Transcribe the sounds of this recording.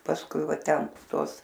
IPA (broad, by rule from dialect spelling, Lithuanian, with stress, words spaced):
pɐsˈkʊɪ ˈʋɐ ˈtʲɛn ˈtuɔs